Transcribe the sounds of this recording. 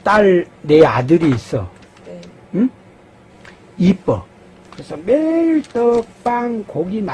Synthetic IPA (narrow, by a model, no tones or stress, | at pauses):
t͈aɭneadɯɾiːs͈ʌ | ipʌ | kɯɾesʰʌmeɭtʌk̚p͈aŋkoɡina